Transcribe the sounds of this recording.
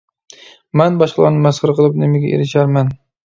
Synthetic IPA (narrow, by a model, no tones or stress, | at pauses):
manbɒʃlˠɒ̰ɾnɪmasχɨɾqʰɨlˠɪp̚nemaɡʲa̰ʔḛɾɪʃaɾman